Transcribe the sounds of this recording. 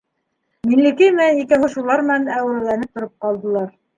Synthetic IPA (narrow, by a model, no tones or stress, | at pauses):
minlɘ̆kɘjmæikæɦŏʃulˠɑɾmɘ̆nænæwɾælænɘp̚t̪ŏɾop̚qɑlˠd̪ɤ̆lˠɑɾ